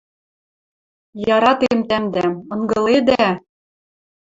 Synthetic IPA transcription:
jɑɾɑt̪emt̪æmd̪æmɤ̆ŋɡɤ̆led̪æ

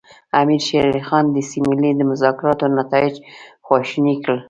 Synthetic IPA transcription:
amiɾʃeɾlixɑnd̪əsimɪlid̪əmʊzɑkɪɾɑt̪onat̪ɑɪd͡ʒxwɑʃnikəl

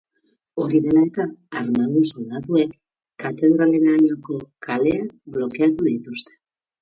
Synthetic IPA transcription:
o̞ɾiðe̞lae̞t̪aːɾmand̪usolaðue̞kː | at̪e̞ðɾaleɾanako̞kʰale̞ak̚blo̞ke̞at̪uðit̪ust̪e̥

